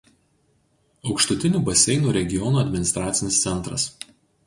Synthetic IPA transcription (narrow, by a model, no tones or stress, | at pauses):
ɒʊkʃt̪ʊt̪ʲɪnʲuːbɐsʲɛɪnuːɾʲɛɡʲɪjɔnuːɐd̪ʲmʲɪnʲɪst̪ɾaːt̪sʲɪnʲɪst̪sʲɛnˑt̪ɾɐ̰s